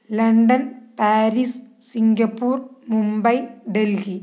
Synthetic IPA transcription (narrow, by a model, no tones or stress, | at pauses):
lɐɳɖɐnpaːɾis | siŋɡɐpːuːrmumbɐjɖelɡi